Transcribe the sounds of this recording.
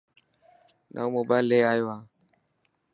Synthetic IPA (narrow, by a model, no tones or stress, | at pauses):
na̰umobaleajwa